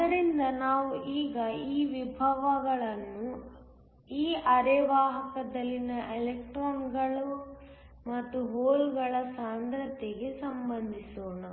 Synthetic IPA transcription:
ɐd̪ɐɾind̪ɐnaːʋuʔiːɡɐiːʋibʱɐʋɐɡɐɭɐnːu | iːʔɐɾɛʋaːɦɐkɐd̪ɐlːinɐʔelek̚ʈɾaːnɡɐɭu | mɐt̪ːuɦoːlɡɐɭɐsaːnd̪ɾɐt̪eɡe̞sɐmbɐnd̪ʱisoːnɐ

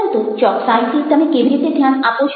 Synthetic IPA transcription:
nt̪ut͡ʃɔksait̪ʰit̪əmekeʋiɾit̪ed̪ʱjanapot͡ʃʰ

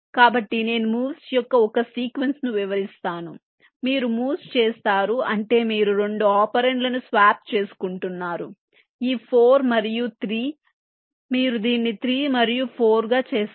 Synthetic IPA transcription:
kaːbɐʈːine̞ːnumuːʋsjɔkːɐɔkɐsiːkʋe̞nsnuʋiʋɐɾist̪aːnu | miːɾumuːst͡ʃeːst̪aːɾuɐɳʈe̞ːmiːɾuɾe̞ɳɖuaːpɐɾeɳɖlɐnusʋaːp̚t͡ʃe̞ːsu̥kuɳʈunːaːɾu | iːpʰoːɾmɐɾijut̪ʰɾiː | miːɾud̪iːnːit̪ʰɾiːmɐɾijupʰo̞ːɾɡaːt͡ʃeːs

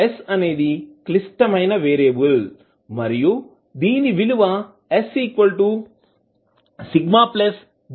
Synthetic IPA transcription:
esɐne̞ːd̪iklisʈɐmɐjnɐʋeːɾeːbul | mɐɾiju | d̪iːniʋiluʋɐ | esiːkʋɐlʈu | siɡmaːples

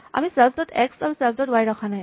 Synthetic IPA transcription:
a̰misɛlpʰdɔtʰɛksaɹusɛlpdɔtwajɹɔkʰanaj

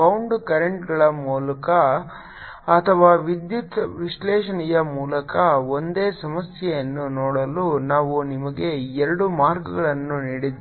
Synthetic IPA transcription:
ɐwɳɖkɐɾeɳʈɡɐɭɐmuːlɐkɐː | t̪ʰɐʋaːʋid̪jit̪ʋiʂlɛːʂɐnijɐmuːlɐkɐo̞nd̪e̞ːsɐmɐsjɛjɐnːunɔːɽɐlunaːʋunimɐɡe̞ɛɾɐɽumaːɾɡɐɡɐɭɐnːuniːɽid̪

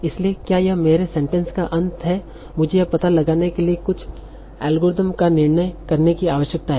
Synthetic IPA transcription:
ɪsliekjaːjɐɦmeːɾesɛ̃ɳʈɛ̃nskaʔɐ̃nt̪ɦɛ | mʊd͡ʒʱejɐpɐt̪alɐɡaːnekeliekʊt͡ʃʰ | ɛ̰ːlɡoːɾɪd̪əmkanɪɾɳəjkɐɾnekiaːʋəʃjək̚t̪aɦɛː

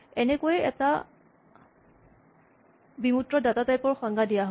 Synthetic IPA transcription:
ɛnɛkojɛɛ̰ta | bimutɹɔdatatajpɔɹxɔŋɡadijaɦ

